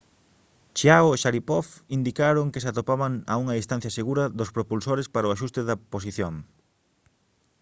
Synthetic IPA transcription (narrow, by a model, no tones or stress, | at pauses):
t͡ʃiaoeʃaɾipɔfind̪ikaɾoŋkesat̪opaβaŋa̰uŋɐist̪an̟θjɐseɣuɾɐðospɾopulsoɾespaɾoaʃ̬ust̪eðɐpos̬iθjoŋ